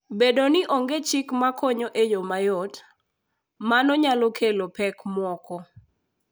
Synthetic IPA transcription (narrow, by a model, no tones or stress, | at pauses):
bedonɪʔoŋɡet͡ʃikmakʰɔɲɔʔejomajɔt | manɔɲalokʰelopɛkmwɔkɔ